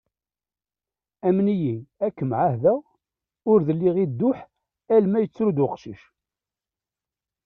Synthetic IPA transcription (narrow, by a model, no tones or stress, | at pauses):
æmnijiækːəmʕahðæ | ʊɾðəlːiʁid̪ːʊħ | ælmæjət͡sːɾud̪wəqʃiʃ